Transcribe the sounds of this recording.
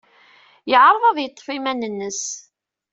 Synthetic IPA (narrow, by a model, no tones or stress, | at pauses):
jəʕɾˤðˤɑðˤjət̪ˤːfimænənːəs